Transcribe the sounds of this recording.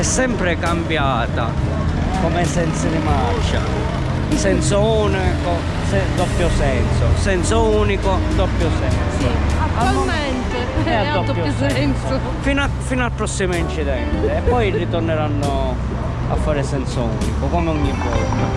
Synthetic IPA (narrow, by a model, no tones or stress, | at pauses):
ɛsːɛmpɾekambjaːt̪a | komesɛnt̪sɪd̪imaɾt͡ʃːa̰ | sɛnsouːniko | sɛd̪ɔpːjosɛnso̰sɛnsouːnikod̪ɔpːjosɛnsoammɛnt̪ | ɛad̪ɔd̪jons | fin | finoalpɾɔsːimoint͡ʃiðɛnt̪eɛpːɔjrit̪orneɾanːo | a̰fːaːɾɪsɛnsoṵːnikokɔmeɔɲːibːɔ̰rna